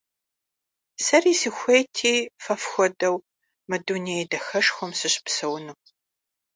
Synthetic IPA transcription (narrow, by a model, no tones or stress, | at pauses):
sɐriːsixʷejtʰiːfɐfxʷɔdɐw | mɨduːnidɐxɐʂxʷɔmsɨɕʼpsɐwnuː